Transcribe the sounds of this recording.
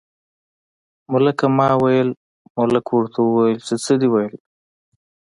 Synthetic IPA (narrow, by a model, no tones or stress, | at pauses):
mʊlakamɑwajəl | mʊlakʰoɽt̪ʰawəwajəlsət͡səd̪iwajəl